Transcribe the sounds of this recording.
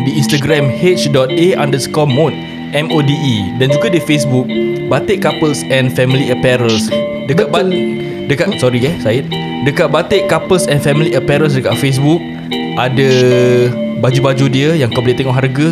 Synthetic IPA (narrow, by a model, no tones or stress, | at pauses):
diĩnst̪aɡɾɛ̃mhet͡ʃdɔt̪̚ea̰ndəskɔmõn | ɛmodiʔidand͡ʒuɡadifesbuk̚bat̪eʔkapəlsɛ̃nfɛmiliəpɛɾəls | dəkat̪̚ba | dəkatsɔɾiɡɛsaɪt̪̚ | dəkat̪̚bat̪eʔkapəlsɛ̃nfɛmiliʔəpɛɾəls̬dəkaʔ̪̚fes̬buk̚ | ʔadə | bad͡ʒubad͡ʒudiəjaŋkəbliʔt̪ɛŋɔʔɦarɡə